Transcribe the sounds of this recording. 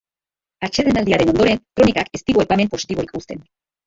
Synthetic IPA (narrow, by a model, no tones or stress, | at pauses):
at͡ʃeðenald̪iaɾe̞no̞nd̪o̞ɾe̞nkɾo̞nikake̞st̪iɣo̞epame̞mpo̞si̥t̪iβo̞ikust̪e̞n